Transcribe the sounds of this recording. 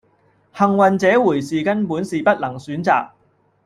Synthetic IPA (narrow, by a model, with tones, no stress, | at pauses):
hɐ˨˩ŋwɐ˨nt͡sɛː˨˥wuː˨˩jsiː˨kɐ˥npuː˨˥nsiː˨pɐ˥t̚lɐ˨˩ŋsyː˨˥nt͡sa̰ː˨k̚